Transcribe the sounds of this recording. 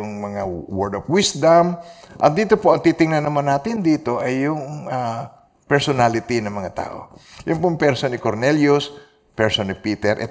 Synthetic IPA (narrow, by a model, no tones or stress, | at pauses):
ʊŋmɐŋawɛɹd̪ofwɪsd̪ɐmʔɐ̰t̪̚d̪iːt̪opoʔɐŋt̪iːt̪ɪŋnɐnːɐmanːaːt̪ɪnd̪iːt̪o̞ʔɐjːʊŋa | pɛɹsonalɪt̪inɐŋmɐŋat̪a̰ːʔo̞̰jʊŋpʊŋpɛɾsonɪkoɾnɛljʊs | pɛɹsonɪpiːt̪ɛɾʔɛ̰